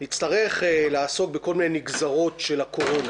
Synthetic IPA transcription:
nit͡staʁe̞χelaasok̚beko̞lminejmiɡzaʁo̞tʃelako̞ʁo̞na

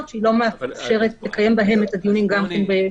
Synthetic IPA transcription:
tʃeilo̞meafʃeʁetlekaje̞mbaɦe̞metad̪ijunimɡamkenbe

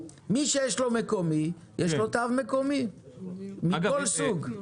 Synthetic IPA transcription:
miʃejeʃlo̞mekomi | jeʃlot̪avmekomi | mikolsuɡ

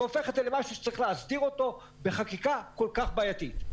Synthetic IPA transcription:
ofeχet̪zelemaʃuʃe̥t͡saʁiχleazdiʁo̞to̞ | be̞χakikako̞lkaχbaːjat̪it̪

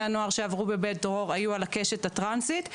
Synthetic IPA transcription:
ano̞aʁʃeavʁube̞bet̪̚dʁo̞ʁajualake̞ʃet̪hat̪ʁansit̪

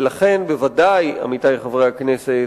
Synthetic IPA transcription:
laχe̞nbevadaja̰mitajχavʁehaknese

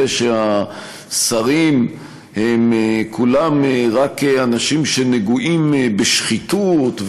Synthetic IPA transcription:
eʃea | saʁim | hemekʰulameʁakeanaʃimʃe̞neɡuʔimbeʃχit̪ut̪v

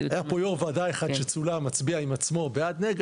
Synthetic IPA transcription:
ajapojoʁvadajeχad̪ʃet͡sulamat͡sbiaimat͡smo̞beadneɡ

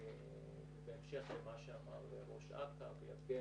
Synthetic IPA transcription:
beemʃe̞χlemaʃeamaʁleʁo̞ʃa̰kapjaɡe

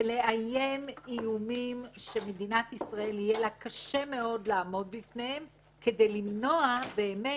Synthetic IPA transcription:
eleʔajemijumimʃe̞med̪inat̪isʁae̞lijelakaʃe̞me̞o̞d̪laːmo̞d̪̚bifnehem | kede̞jlimno̞abe̞ːme

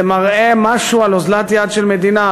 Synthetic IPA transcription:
emaʁemaʃualozlat̪jad̪ʃelmed̪ina

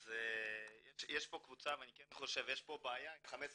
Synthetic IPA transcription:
zejeʃjeʃpo̞kvut͡saveanikenχo̞ʃevjeʃpo̞baːjaχamet͡s

